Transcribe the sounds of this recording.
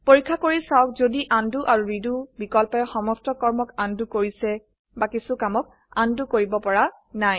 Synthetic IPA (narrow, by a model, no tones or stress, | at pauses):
poɹikʰːakoɹisawk̚zodiʔanduʔaɹuɹidubikɔlpɔɔxɔmɔstɔkɔɹmɔkandukoɹisɛ | bakisukamɔk̚ | andukoɹibɔpɔɹa | naj